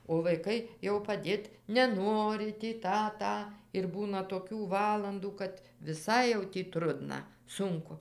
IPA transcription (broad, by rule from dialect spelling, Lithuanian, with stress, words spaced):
oː ʋɐɪˈkɐɪ jɛʊ pɐˈdʲeːt nʲɛˈnoːrʲɪ tʲiː ˈtɑː ˈtɑː ɪr ˈbuːnɐ toːˈkʲuː ˈʋɑːlˠɐnduː kɐt ʋʲɪˈsɐɪ jɛʊ tʲiː ˈtrʊdnɐ ˈsʊŋkʊ